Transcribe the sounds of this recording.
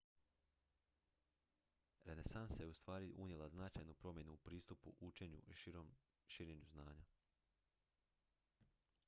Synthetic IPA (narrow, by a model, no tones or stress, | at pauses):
ɾe̞ne̞sansaje̞ust̪ʋaːɾiʔuɲje̞lˠaznat͡ʃajnupɾo̞mje̞nuupɾiːst̪upṵʔut͡ʃe̞ɲṵiom | ʃiɾe̞ɲuznaːɲa